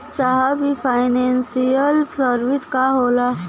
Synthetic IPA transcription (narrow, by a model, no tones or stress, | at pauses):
saɦabifʰaːɪnẽːnsijəlsəɾʋɪskaɦoːlaː